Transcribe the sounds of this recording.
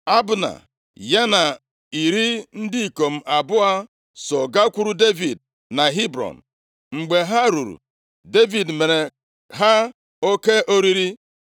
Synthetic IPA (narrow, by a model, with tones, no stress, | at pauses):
a˦bʊ˨na̰˨ | ja˦na˨ | i˨ɾi˦n̩˦dɪ˦i˨ko˨m̩˦ʔa˨bʊ˦a˦ | sɔ˨ɡa˦kʷu˦ɾu˦de˦vi˨d | na˨ɦi˦bɾɔ̰˨n̩˨ | ŋ͡m̩˨ɡ͡be˨ɦa˦ɾu˨ɾṵ˨ | de˦vi˨dme˨ɾe˨ | ɦa˦ | o˦ke˦ʔo˦ɾi˦ɾi˦